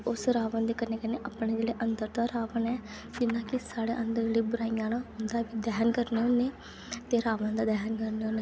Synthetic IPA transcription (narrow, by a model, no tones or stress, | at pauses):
ʊsɾaːʋənd̪eːkəneːkəneːʔapɳeːd͡ʒeːɽeːʔənd̪əɾd̪aːɾaːʋənɛː | d͡ʒɪnãːkɪsaːɽeːʔənd̪əɾd͡ʒeːɽiːbʊɾaːijãːnaːʊnd̪aːbiːd̪ɛːnkəɾneːoneː | t̪eːɾaːʋənd̪aːd̪ɛːnkəɾneoːneː